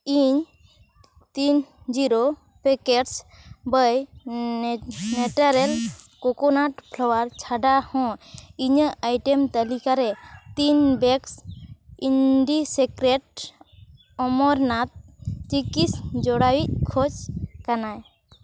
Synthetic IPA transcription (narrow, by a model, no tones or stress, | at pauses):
iɲ | t̪ind͡ʒiɾo | pɛkeʈs | bəj | neʈaɾɛlkɔkɔnaʈpʰlɔwaɾt͡ʃʰaɖahɔ̃iɲəʔajʈemt̪alikaɾɛt̪inbɛksinɖisekɾeʈ̚ | ɔmɔɾnat̪̚ | t͡ʃikisd͡ʒɔɽawic̚kʰɔt͡ʃkanaj